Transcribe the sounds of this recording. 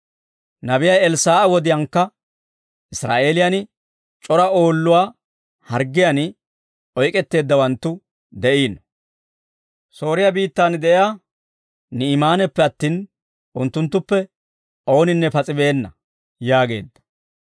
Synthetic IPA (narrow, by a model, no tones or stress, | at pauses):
nɐbɪjɐjɛlsaːɐwɔd̪ɪjɐŋkːɐ | ʔɪsɾa̰ːʔe̞ːlɪjɐnɪ | t͡ʃʼɔɾɐo̞ːlːʊwaː | hɐɾɡːɪjan | ɔjkʼɛt̪ːe̞ːd̪ːɐwɐnt̪ːʊ | d̪ɛʔiːnɔ | so̞ːɾɪjabiːt̪ːaːnd̪ɛʔɪjaː | nɪːmaːnɛpːɛɐt̪ːiːn | ʔʊnt̪ːʊnt̪ːʊpːɛ | ʔo̞ːnɪnːɛpɐt͡sʼɪbe̞ːnːɐ | jaːɡe̞ːd̪ːɐ̥